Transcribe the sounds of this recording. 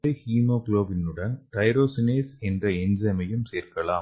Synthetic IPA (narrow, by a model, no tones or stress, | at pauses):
ɐɪhiːmoːkloːbɪnɯɽɐnt̪ɐɪɾoːsɪneːsɛndrɐɛɲd͡ʒɐmɐjɯmseːɾkɐlaː